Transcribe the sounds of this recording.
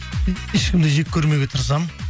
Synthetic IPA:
eʃkʲɪmd̪eʒek̚ʲʰːɵɾme̞ɡʲe̞t̪ʰʊɾs̬ɑm

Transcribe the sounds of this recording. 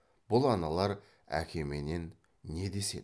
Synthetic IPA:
b̥ʊlˠɑnɑlˠɑɾ | æ̰kʲʰe̞me̞ne̞nː | e̞d̪e̞se̞̰

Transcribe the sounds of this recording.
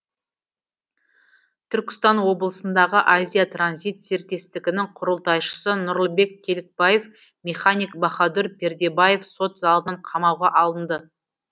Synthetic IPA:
t̪ʰʏɾkʲɪ̥st̪ɑnwo̞bəlˠəsənd̪ɑʁəʔazʲijat̪ranzʲit̪seɾt̪ʲe̞st̪ɪɡʲɪnɪŋqʰʊɾəlˠt̪ɑjʃə̥sənʊɾlˠəbe̞kkʲʰe̞lɪk̚baje̞f | mʲe̞χanijk̚bɑχɑd̪ʏɾpe̞ɾd̪e̞baje̞fso̞t̪zɑlˠənəɴqʰɑmɑwʁɑʔɑlˠənd̪ə

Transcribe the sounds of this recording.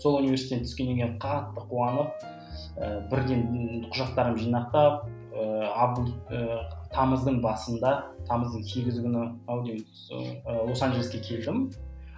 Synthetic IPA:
so̞lˠunive̞ɾsit̪ent̪ʰʏ̥skʲe̞nd̪eŋkʲeɴqʰɑt̪ːəqʰuɑnəp̚ | əbɪɾd̪e̞nqʰʊʒɑq̚t̪ɑɾəmʒijnɑq̚t̪ɑp̚ | əɑb̪ət̪ʰɑməzd̪əɴbɑsənd̪ɑt̪ʰɑməzd̪əɴse̞ɡʲɪzɪkʲʏnɪɑwd̪em | əwo̞sɑnʒelɪskʲe̞kʲʰe̞ld̪ɪm

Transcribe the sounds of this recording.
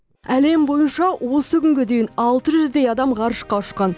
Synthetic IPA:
æle̞mbo̞jənʃɑwo̞səkʲʏŋɡʲe̞d̪e̞jɪnɑlˠt̪əʒʏzd̪e̞jɑd̪ɑmʁɑɾəʃqɑʊʃqɑn

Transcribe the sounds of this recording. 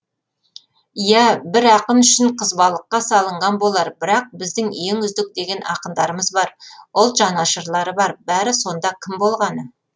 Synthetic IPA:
ijæbɪɾɑqəmʏʃɪɴqʰəzbɑlˠəqːɑsɑlˠəɴʁɑnbo̞lˠɑɾbɪɾɑq̚bɪzd̪ɪŋeŋʏzd̪ɪk̚d̪e̞ɡʲe̞nʔɑ̰qəmd̪ɑɾəməzbɑɾʊlˠt̪ʒɑnɑʃəɾlˠɑɾəbɑɾbæɾɪso̞nd̪ɑkʲʰɪmbo̞lˠʁɑnə

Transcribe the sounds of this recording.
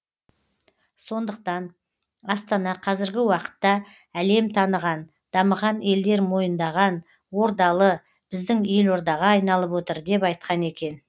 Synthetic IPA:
so̞nd̪əq̚t̪ɑn | ɑst̪ɑnɑqʰɑzɪɾɡʲɪwɑqə̥t̪ːɑ | æle̞mt̪ʰɑnəʁɑn | d̪̥ɑməʁɑne̞ld̪e̞ɾmo̞jənd̪ɑʁɑn | wo̞ɾd̪ɑlˠə | b̥ɪzd̪ɪŋe̞lo̞ɾd̪ɑʁɑːjnɑlˠəpwot̪əɾd̪e̞pɑjt̪̚qɑne̞kʲe̞n

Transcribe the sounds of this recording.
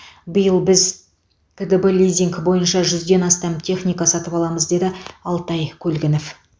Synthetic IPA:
bəjəlˠbɪz | kʰəd̪əbəlʲijzʲiŋkbo̞jənʃɑʒʏzd̪e̞nɑst̪ɑmt̪ʰe̞χnʲijkɑsɑt̪əpɑlˠɑməzd̪e̞d̪ɪɑlˠt̪ɑjkʲʰɵlɡʲɪnof

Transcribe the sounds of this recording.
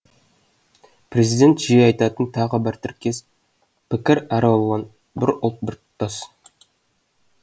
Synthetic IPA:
pre̞zijd̪ʲe̞nt̪ʒ̥ejɑjt̪ɑt̪ənt̪ʰɑʁəbɪɾt̪ʰɪɾkʲes | pʰɪkʲɪɾæɾɑolˠʁɑn | bɪɾʊlˠt̪̚bɪɾtt̪ːɑs

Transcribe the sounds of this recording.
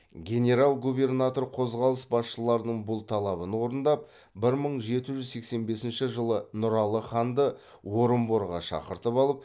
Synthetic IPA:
ɡʲe̞ne̞ɾalˠɡube̞rnat̪o̞rqʰo̞zʁɑlˠəsbɑsʃəlˠɑɾənəɴbʊlˠt̪ʰɑlˠɑβənwo̞ɾənd̪ɑp̚ | bɪɾməɴʒe̞t̪ɪʒʏzse̞kse̞nbe̞sɪnʃɪʒəlˠənʊɾɑlˠəχɑnd̪ə | wo̞ɾəmboɾʁɑʃɑ̰qəɾt̪əpɑlˠəp̚

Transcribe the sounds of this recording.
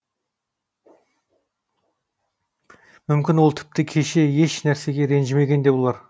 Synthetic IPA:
mʏmkʲɪnwo̞lˠt̪ʰɪ̥p̚t̪ɪkʲʰe̞ʃe̞je̞ʃnæɾse̞ɡʲe̞ɾe̞nʒɪme̞ɡʲe̞nd̪e̞bolˠɑɾ

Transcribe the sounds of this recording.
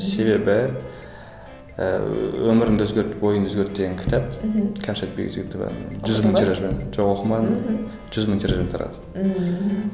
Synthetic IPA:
se̞be̞bɪ | wɵmɪɾɪnd̪ɵzɡʲe̞ɾt̪bo̞jənd̪ɵzɡʲeɾt̪̚d̪eɡʲeŋkʲʰt̪ʰɑp̚kʲʰæmʃat̪̚bḛɡʲḛzʲkt̪ʰːʒʏzməŋt̪ʰʲiɾaʒbenʒoʁoqəmɑn | ʒ̥ʏzməŋt̪ʲʰiɾaʒbent̪ʰɑɾɑ̰d̪ə̥

